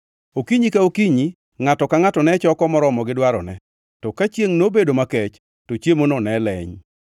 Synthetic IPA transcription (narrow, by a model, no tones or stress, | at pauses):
okiɲikaokiɲi | ŋatɔkaŋatɔnɛt͡ʃɔkɔmɔɾɔmɔɡɪdwaɾɔ̰nɛ̰ | tɔkat͡ʃjeŋnobedomakɛt͡ʃ | tot͡ʃjemonɔnɛlɛ̰ɲ